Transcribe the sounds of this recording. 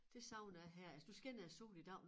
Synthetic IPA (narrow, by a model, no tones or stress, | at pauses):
d̥e̝sɑ̈ʊ̰næɦæɐæsd̥usɡ̥enæso̝̰ːlid̥ɑ̈ʊ̰n